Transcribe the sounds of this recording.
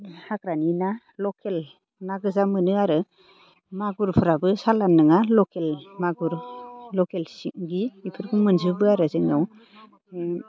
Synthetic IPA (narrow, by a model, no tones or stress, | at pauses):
hakɾanina | lɔkʰel | naɡɯzamɯnɯaɾɯ | maɡuɾpʰɯɾabɯsalanːɯŋalɔkelmaɡuɾlɔkelsɡiipʰɯɾkʰɯmɯnzɯbɯaɾɯzɯŋnɯw